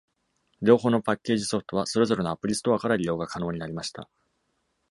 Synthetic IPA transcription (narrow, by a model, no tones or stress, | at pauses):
ɾʲo̞ːɦo̞ːno̞pakʲːe̞ːʑiso̞ɸɯ̟̥t̪o̞βaso̞ɾe̞zo̞ɾe̞noapɯ̟ɾʲisɨ̥t̪oakaɾaɾʲijo̞ːɡakano̞ːɲ̟inaɾʲimaɕi̥t̪a̰